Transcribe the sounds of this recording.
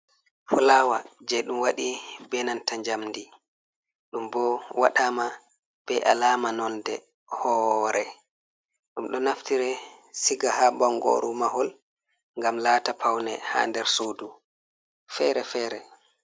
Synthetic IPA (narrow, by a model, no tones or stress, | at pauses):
fulaːwad͡ʒɛɗumwaɗibɛnantaɲd͡ʒamndi | ɗumbɔwa̰ɗama | b̥ɛʔa̰lamanɔndɛ | hɔːɾɛ | ɗumɗɔnaftiɾɛsiɡahabɔŋɡɔ̰ɾumahɔl | ŋɡamlaːtapʰawnɛha̰ːndɛɾsoːdu | fɛɾɛfɛɾɛ